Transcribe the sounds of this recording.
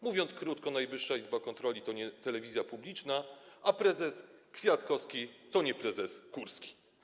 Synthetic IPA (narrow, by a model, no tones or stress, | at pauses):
muvʲjɔnt̪skɾut̪kɔnajvɘʂːaizbakɔnt̪ɾɔlʲit̪ɔɲɛt̪ɛlɛvʲizʲjapublʲit͡ʂnaʔapɾɛzɛskfʲjat̪kɔskʲit̪ɔɲɛpɾɛzɛskuɾskʲi̥